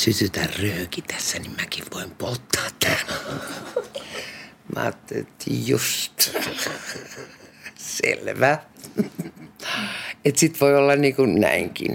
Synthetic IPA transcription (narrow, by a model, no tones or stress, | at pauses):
sysyt̪ærrøːkit̪æ̥sːænimmækiʋʋoimpolt̪ːɑːt̪tæːl | mɑ̰ːt̪ːelt̪ːḭːjjust̪ | sḛlʋæ | et̪sit̪ʋoiolːɑnniːkunnæ̰iŋkḭn